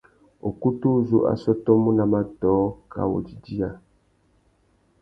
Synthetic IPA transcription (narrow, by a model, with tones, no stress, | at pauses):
o˨ku˦tu˦zu˦ʔa̰˨sɔ˦tɔ˦mũ˦na˨ma˦tɔ˨˦ka̰˨wo̰˨d͡ʒi˨di˦a˨